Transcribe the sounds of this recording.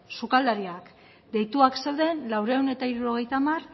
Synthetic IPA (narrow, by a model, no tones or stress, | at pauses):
sukald̪aɾiak | d̪e̞jt̪uakse̞wðe̞nlawɾewne̞t̪aiɾuɾo̞ɣe̞jt̪amar